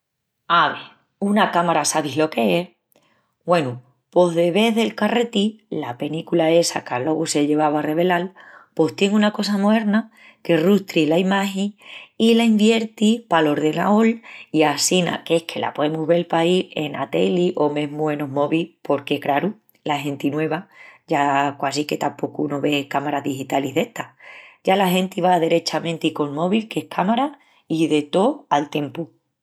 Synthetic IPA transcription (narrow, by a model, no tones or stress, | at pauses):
aβe | unakamaɾasaβiɦlo̞ke̞e | ɡwe̞nu | po̞ðe̞βe̞ðe̞lkare̞t̪ilape̞nikulae̞sakalo̞ɣuse̞ʎe̞βaβare̞βe̞lalpo̞st̪je̞ŋunako̞s̬amoe̞ɾna | ke̞rust̪ɾilaimaheŋilaimbje̞ɾt̪ipalo̞ɾðe̞na̰oliasina̰ke̞hkʰe̞la̰poðemuɦβe̞lpaie̞nat̪e̞̰liʔo̞mẽ̞ɦmwe̞no̞ɦmo̞βipʰo̞ɾke̞kɾaɾu | laɦẽ̞nt̪inwe̞βaɟ͡ʝakwas̬ike̞t̪ampo̞kunoβe̞kamaɾaɦðihit̪aliɦðe̞ht̪aɟ͡ʝalaɦẽ̞nt̪iβaðe̞ɾe̞t͡ʃamẽnt̪iko̞lmo̞βilke̞hkʰamaɾa | iðe̞t̪o̞alt̪ẽ̞mpu